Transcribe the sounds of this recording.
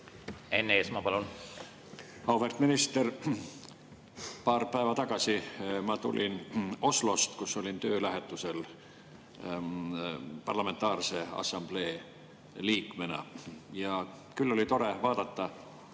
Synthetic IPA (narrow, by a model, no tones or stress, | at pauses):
e̞nːeːsmɑpɑlun | ɑwfe̞rt̪minist̪er | pɑːrpæevɑt̪ɑɡ̥ɑsimɑt̪ṵlʲino̞slo̞st̪kusːo̞lʲint̪ø̞ːlæɦet̪ːˑuse̞l | pɑrlɑme̞nt̪ˑɑːrse̞ɑ̰sɑmb̥le̞ː | liːkmenɑ̰jɑ | kylːo̞lit̪o̞ɾe̞vɑːd̪̥ɑt̪ːɑ